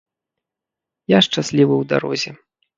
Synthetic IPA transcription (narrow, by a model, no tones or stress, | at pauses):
jaʂt͡ʂasʲlʲivɨwd̪a̰ɾɔ̰zʲɛ